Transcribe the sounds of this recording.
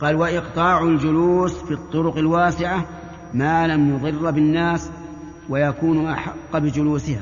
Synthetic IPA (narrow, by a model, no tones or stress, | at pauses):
qɑːlwaʔɪqt̪ˤɑːʕʊld͡ʒʊluːsfit̪ˤːʊɾʊqalwaːsɪʕa | maːlamjʊðˤɨrːbɪnːaːs | wajakuːnʔaħɑqːbɪd͡ʒʊluːsɪha